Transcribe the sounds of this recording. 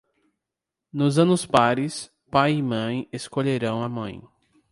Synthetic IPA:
nʊzɐ̃nʊspaɾɪs | pajimɐ̃j̃eskoʎeɾɐ̃w̃ɐmɐ̰̃j̃

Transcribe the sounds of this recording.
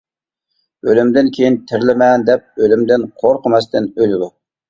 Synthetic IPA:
ølymd̪ɪnkʲʰejint̪ʰɪɾlɪmɛnd̪ɛp̚ølymd̪ɪnqʰoɾqəmɛst̪ɪnølɪd̪u

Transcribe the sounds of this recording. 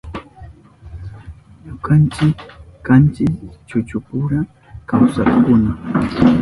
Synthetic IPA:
ɲokant͡ʃɪkːant͡ʃɪkt͡ʃʊt͡ʃʊpʊɾa | kawsaχkʊna

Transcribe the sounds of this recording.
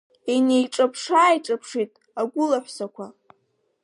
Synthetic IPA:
enejʈ͡ʂʼapʰʂaːjʈ͡ʂʼapʰʂitʼ | aɡʷʊlaħʷsakʷʰa

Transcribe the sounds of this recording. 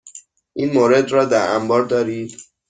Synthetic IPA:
ʔiːnmoːɾed̪rɒːd̪æɾæmbɒːɾd̪ɒːɾiːd̪̥

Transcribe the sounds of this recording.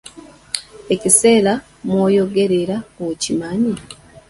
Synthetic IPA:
ecise̞ːla | mwoːjo̞ɡe̞ɾe̞ɾaocimaɲi

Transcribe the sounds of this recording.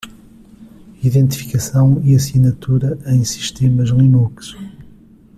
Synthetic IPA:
iðẽnt̪fi̥kɐsɐ̃w̃iɐsinɐt̪uɾɐẽj̃si̥ʃt̪emɐʒlˠinukʃ

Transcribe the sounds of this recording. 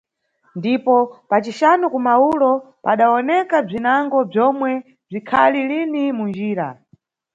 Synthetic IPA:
ndipɔpat͡ʃiʃanɔkumaulɔ | paɗaɔnɛkab͡ʐinaŋɡɔb͡ʐɔmwɛ | b͡ʐikʰalilinimund͡ʒiːɾa̰

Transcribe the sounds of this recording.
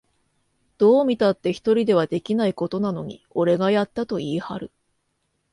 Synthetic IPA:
d̪̥o̞ːmʲit̪at̪ːe̞çi̥t̪o̞ɾʲid̪e̞β̞ad̪e̞kʲinaiko̞t̪o̞nano̞ɲ̟ḭo̞ɾe̞ɡajat̪ːat̪o̞iːhaɾɯ̟

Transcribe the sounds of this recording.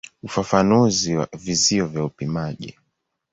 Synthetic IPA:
ufafanuziwaviziɔvjaupimaʄḭ

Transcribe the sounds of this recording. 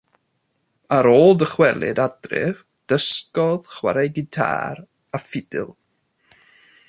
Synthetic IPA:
aɾoːlˠdəχwɛlˠɨ̰dadrɪ̰v | d̥əskɔðχwa̰ɾajɡɪtʰa̰ːɾ | afɪdɪ̰lˠ

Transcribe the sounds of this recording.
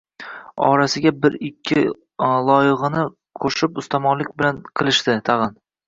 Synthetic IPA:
ɒ̰ɾasɪɡʲabɪɾɪkʲʰːɪ | lˠɒjɨʁɨnɪ | qʰoʃɪpʊst̪ʰamɒnlɪk̚ʲbɪlanqʰɨlˠɪʃt̪ɪt̪ʰɑʁɨn

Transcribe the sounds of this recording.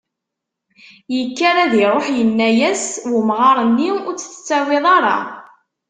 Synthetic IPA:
jəkːaɾæðiɾˤoħjənːæjæswəmʁɑɾˤənːiʊɾt͡sːθt͡sːæwɪðˤɑɾˤɑ̰

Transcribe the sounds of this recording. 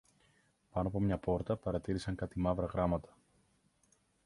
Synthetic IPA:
pɐnoɐpo̞mɲɐpo̞ɾt̪ɐpɐɾɐt̪iɾisɐŋkɐt̪imɐvɾɐɣɾɐmɐt̪ɐ̥

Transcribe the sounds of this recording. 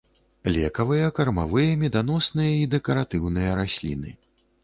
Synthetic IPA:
lʲɛkɐvɨjɐkɐrmavɨjɐmʲɛd̪an̪ɔsnɨjɐid̪ɛkɐɾat̪ɨwnɨjɐɾasʲlʲḭnɨ

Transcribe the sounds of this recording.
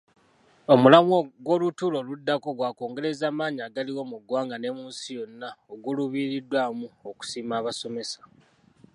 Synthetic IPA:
o̞mulamoɡwo̞lutulo̞ludːako̞ɡwaːko̞ːŋɡe̞ɾe̞zaːmaːɲaːɡaliwo̞muɡwaːŋɡane̞muːsijo̞nːaoɡuluβiːɾidːwaːmuoku̥siːmaːβaso̞me̞sḁ

